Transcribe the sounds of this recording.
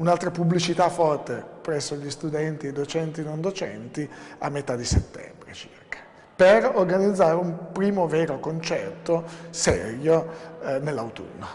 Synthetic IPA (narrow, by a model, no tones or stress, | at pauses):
unalt̪ɾapublit͡ʃit̪afɔrt̪epɾɛsːoʎist̪ud̪ɛnt̪ied̪ot͡ʃɛnt̪inond̪ot͡ʃɛ̰nt̪ia̰mːet̪ad̪iset̪ːɛ̰mbɾḛt͡ʃi̥̰rkḁ | perorɡanid̪zːaːɾeumpɾiːmoveːɾokont͡ʃɛrt̪osɛ̰ɾjonelːawt̪ṵnːo